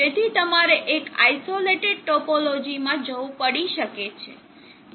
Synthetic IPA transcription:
et̪ʰit̪əmaɾeʔeka̰jsoleʈeɖ̚ʈopolod͡ʒimãd͡ʒəʋũpəɽiʃəket͡ʃʰḛ

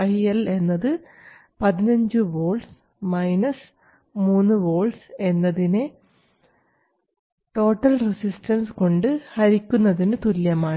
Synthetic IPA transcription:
ɐɦijɐle̞nːɐðɨ | pɐðinɐɲd͡ʑɨʋo̞ːls | mɐjnɐs | muːnːɨʋo̞ːlse̞nːɐðine | ʈo̞ːʈːɐlresisʈɐnsko̞ɳɖɨhɐɾikʲːunːɐðinɨt̪uljɐmaːɳɨ

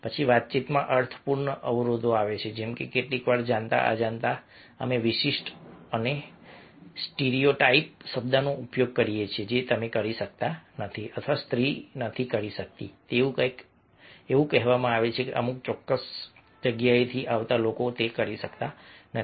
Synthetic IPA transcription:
pət͡ʃʰiʋat̪̚t͡ʃit̪mãʔəɾt̪ʰə̥puɾɳəʔəʋɾod̪ʱoaʋet͡ʃʰed͡ʒemkekeʈlikʋaɾd͡ʒãnt̪a̰ʔa̰d͡ʒant̪a | ə̰meʋɪʃiʃʈəne | sʈeɾioʈaip̚ʃəbd̪anoʔupjoɡ̚kəɾijet͡ʃʰed͡ʒet̪əmekəɾiʃək̚t̪anət̪ʰiət̪ʰʋast̪ɾinət̪ʰikəɾiʃək̚t̪it̪eʋũkəjk | eʋũkɛɦʋamãaʋet͡ʃʰekḛʔə̰muk̚t͡ʃɔkːəs | d͡ʒəɡjaet̪ʰiʔaʋt̪alokot̪ekəɾiʃəkt̪anə

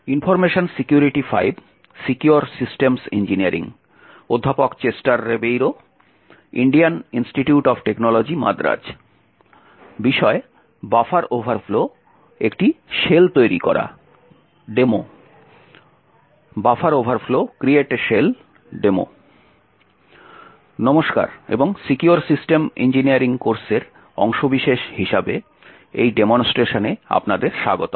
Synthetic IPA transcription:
infɔɾmeʃonsikjuɾiʈifa̰jb | sikjuoɾsisʈemsend͡ʑiniaɾḭŋ | od̪ʱːapokt͡ɕesʈaɾːebejɾo | ḭɳɖianinsʈiʈjuʈɔfʈeknɔlod͡ʑima̰d̪ɾa̰d͡ʑ | biʃɔe | bafaɾobʱaɾflo | ekʈiʃelt̪ojɾḭkɔ̰ɾa̰ | ɖemo | bafaɾobʱaɾflokɾieʈʃel | ɖemo̰ | nɔmoʃka̰ɾḛboŋsikuaɾsisʈemḭnd͡ʑiniaɾiŋkoɾseɾ | ɔ̰ŋʃobiʃeʃhiʃabe | ejɖemonsʈeʃonea̰pnad̪eɾʃaɡot̪o

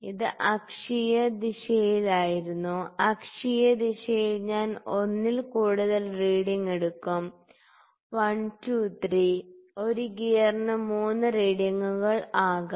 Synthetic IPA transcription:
iðɨʔɐkʂijɐd̪iɕɐjilaːjiɾunːuɐkʂijɐd̪iɕɐjilɲaːno̞nːilkuːɽuðɐlriːɽiŋeɽukːum | ʋɐntuːt̪riːo̞ɾuɡijɐrnɨmuːnːɨriːɽjɐŋːuɣɐɭaːɣɐ

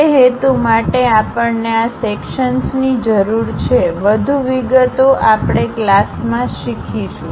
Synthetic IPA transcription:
eɦet̪umaʈeapəɳneasekʃənsnid͡ʒəɾuɾt͡ʃʰeʋəd̪ʱuʋiɡət̪oʔapɽ̃eklasmãʃikʰiʃũ

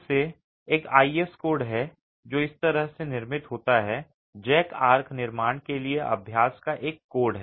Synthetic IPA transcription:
se | eːka̰ːiːeskoːɾɖɦɛ | d͡ʒoːɪst̪əɾəɦsenɪɾmɪt̪ɦoːt̪aɦɛ | d͡ʒɛːkaːɾkʰnɪɾmaːɳ̃kelieʔɐ̰bʱjaːskaʔeːkːoːɾɖɦɛː

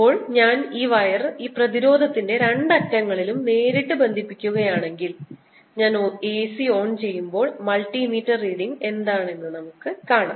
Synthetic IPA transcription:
o̞ːɭɲaːniːʋɐjɐriːprɐðiɾo̞ːd̪ʱɐt̪ːinde̞ɾe̞ɳɖɐkːɐŋːɐɭilumne̞ːɾiʈːɨbe̞nd̪ʱipːikʲːuɣɐjaːɳe̞ŋɡil | ɲaːneːsio̞ːnt͡ɕe̞jːumbo̞ːɭmɐlʈːimiːtːɐriːɽiŋɡe̞nd̪aːɳe̞nːɨnɐmukːɨkaːɳa̰ː

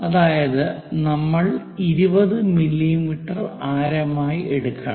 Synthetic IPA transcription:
ɐðaːjɐðɨnɐmːɐɭ | iɾubɐðɨmilːimiʈːɐraːɾɐmaːjiʔeɽukːa̰

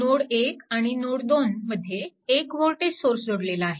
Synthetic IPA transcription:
noɽekaɽ̃inoɽd̪onməd̪ʱːjeːkʋolʈessoɾsd͡zʱoɽlelaaɦe

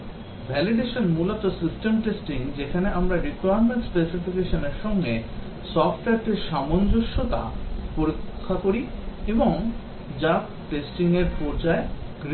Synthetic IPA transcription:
bʱɛliɖeʃonmulot̪osisʈemʈesʈiŋd͡ʑekʰaneʔamɾaɾikujaɾmeɳʈspesifikeʃoneɾʃɔŋɡe | sɔfʈɛɾʈeɾʃamond͡ʑoʃːot̪a̰poɾikʰːakoɾieboŋ | d͡ʑa | ʈesʈiŋeɾpoɾd͡ʑaeɡɾ

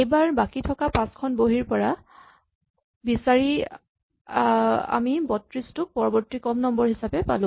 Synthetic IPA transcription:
ejbaɹbakitʰɔkapãskʰɔnboɦiɹpɔɹa | bisaɹi | a̰mibɔtɹistʊk̚pɔɹɔbɔɹtikɔmnɔmbɔɹɦisapɛpa̰lʊ̃

